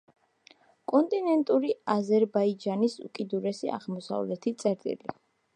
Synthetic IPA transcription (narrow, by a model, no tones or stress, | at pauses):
kʼɔnt̪ʼinɛnt̪ʼuɾiazɛɾbaid͡ʒanisṵkʼid̪uɾɛsia̰ʁlmɔsa̰vlɛt̪ʰit̪sʼɛɾt̪ʼḭli